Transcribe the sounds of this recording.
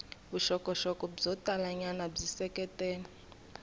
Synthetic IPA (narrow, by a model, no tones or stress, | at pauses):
buʃɔkʼɔʃɔkʼɔbd͡zɔtʼalaɲanab͡ʐisɛkʼɛtʼɛːnɛ